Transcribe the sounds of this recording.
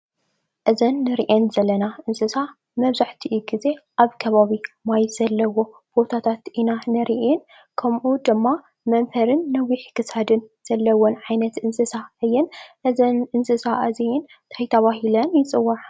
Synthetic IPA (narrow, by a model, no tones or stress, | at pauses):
ʔɨzɐnːɨɾiʔenzɐlːɐnaʔɨnsɨsa | mɐβzaħt̪ʰiʔuɡize̞ʔaβkʰɐβaβimajz̥ɐlːɐwo̞ | b̥o̞t̪ʰat̪ʰat̪ʔinanɨɾiʔen | kʰɐmʔud̪ɨmːa | mɐnfɐɾɨnːɐwiħkʰɨsad̪ɨnz̥ɐlːɐwonʕajnɐt̪ɨnsɨsaɨjːɛnʔɨzɐnʔɨnsɨsaʔɨziin | t̪ʰajt̪ʰɐβaɦilɐnjɪt͡sʼɨwːaʕ